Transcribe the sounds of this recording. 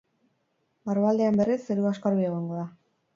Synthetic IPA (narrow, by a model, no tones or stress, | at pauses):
maruβald̪eambe̞riseɾuaskaɾβieɣ̞oŋɡo̞ða